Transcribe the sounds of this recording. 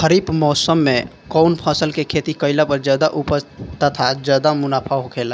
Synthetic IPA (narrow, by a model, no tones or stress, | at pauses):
xəɾiːbmɔːsəmːẽ | kɔʊnpʰə̃səlkekʰet̪ikəɪlapəɾd͡ʒad̪aʔupət̪ət̪ʰad͡ʒaːd̪amʊnaːpʰaɦokʰeːla